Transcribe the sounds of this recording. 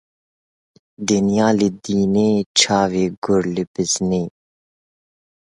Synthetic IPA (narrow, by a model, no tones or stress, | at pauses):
d̪ɪnijaːlɪd̪iːneːt͡ʃʰaːveːɡʊɾlɪbɪzneː